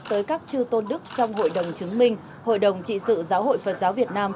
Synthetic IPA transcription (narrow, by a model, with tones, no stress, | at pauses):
t̪əː˨˦jkaː˦˥k̚t͡ɕɨ˧t̪o˧nɗɨ˦˥k̚t͡ɕɔ˧wŋ͡mho̰˧˨jɗə˨˩wŋ͡mt͡ɕɨ˨˦əŋmï˧ŋ̟ | ho̰˧˨jɗə˨˩wŋ͡mt͡ɕḭ˧˨sɨ̰˧˨zaː˨˦who̰˧˨jfə˨˩t̚zaː˨˦wvi˨˩ət̚naː˧m